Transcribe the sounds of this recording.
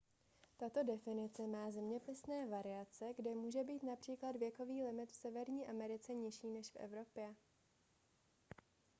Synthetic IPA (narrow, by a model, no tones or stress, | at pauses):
t̪at̪o̞dɛfɪnɪt͡sɛmaːzɛmɲɛpɪsnɛːvaɾɪat͡sɛɡdɛmuːʒɛbiːt̪napr̥iːklad̪vjɛko̞viːlɪmɪt̪fsɛvɛɾɲiːʔamɛɾɪt͡sɛɲɪʃiːnɛʃfʔɛ̰vɾo̞pjɛ